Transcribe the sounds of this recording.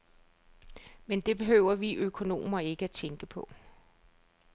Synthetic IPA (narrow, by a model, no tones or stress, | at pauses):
mend̥e̝b̥e̝ɦøʊ̰ɐʋiʔøkʰo̝no̝̰ːmɐe̝ɡ̥əæt͡sʰeŋɡ̥əpʰɒ̽